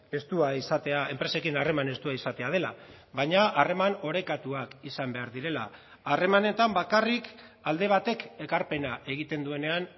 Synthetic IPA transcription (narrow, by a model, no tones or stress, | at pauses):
e̞st̪uaisat̪e̞ae̞mpɾe̞se̞kinare̞mane̞st̪uaisat̪eað̞e̞la | βaɲaare̞mano̞ɾe̞kat̪uakisambe̞aɾðiɾe̞la̰ː | re̞mane̞t̪ambakarik | ald̪e̞β̞at̪e̞ke̞kaɾpe̞naʔe̞ɣ̞it̪e̞nd̪ue̞ne̞an